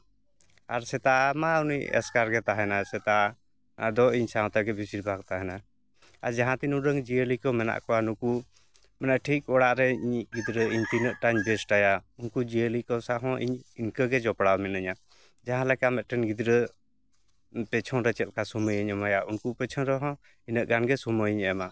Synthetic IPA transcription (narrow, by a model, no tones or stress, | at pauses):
aɾsɛt̪amaunijɛ̰skaɾɡɛt̪aɦɛnasɛt̪a | d̪ɔiɲsaɦɔ̃t̪aɡɛbisiɾbʱaɡ̚t̪aɦɛna | aɾd͡ʒaɦãt̪inuɾəŋd͡ʒiəlikəwmɛna̰ʔkɔanuku | mɛnaʔʈʰik̚ɔɽaʔɾɛiɲɡid̪ɾəiɲt̪inəʔʈaɲbɛsʈajaunkud͡ʒiəlikɔwsaɦɔ̃ʔiɲinkəɡɛd͡ʒɔpɽawmɛnəɲa | d͡ʒaɦãlɛkamɛt̪̚ʈɛnɡid̪ɾə | pɛt͡ʃʰɔ̃nɾɛt͡ʃɛt̪̚kasuməjəɲəmajaunkupɛt͡ʃʰɔnɾɔɦɔ̃ | inəʔɡanɡɛsuməjɲɛɛma